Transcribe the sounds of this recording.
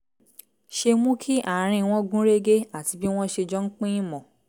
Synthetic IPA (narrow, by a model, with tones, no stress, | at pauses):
ʃe˧mũ˦kʰi˦ʔa˦˨˦ɾ̃ĩ˧w̃ɔ̃˦ɡũ˦ɾe˦ɡe˦a˦˨ti˧bi˦w̃ɔ̃˦ʃe˧d͡ʒɔ˦ŋ̩˦k͡pĩ˦ĩ˦mɔ̃˨